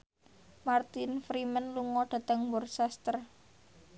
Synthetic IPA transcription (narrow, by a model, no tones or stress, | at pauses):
mart̪infɾimənluŋɔɖ̥ä̤t̪əŋbɔrsast̪ər